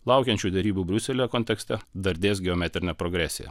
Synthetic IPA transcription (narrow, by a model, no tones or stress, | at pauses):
lˠɐʊkʲɛnʲt͡ʃʲuːd̪ʲɛɾʲiːbuːbʲɾʲʊsʲɛlʲojɛkoːnʲt̪ʲɛksʲt̪ʲɛd̪ɐɾʲd̪ʲeːs̬ɡʲɛoːmʲɛt̪ʲɾʲɪnʲɛpɾoɡɾʲæsʲɪ̰jɛ̰